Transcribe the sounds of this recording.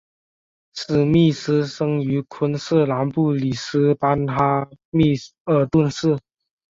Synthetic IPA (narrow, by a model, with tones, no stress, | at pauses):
sɹ̩˨˩mi˥˩sɹ̩˥ʂɤ˥ŋy˧˥kʰə˥ns̩˥˩la˧˥npu˥˩li˨˩sɹ̩˥pa˥nxa˥mi˥˧ə˨˩t̪wə˥˧nsɹ̩˥˩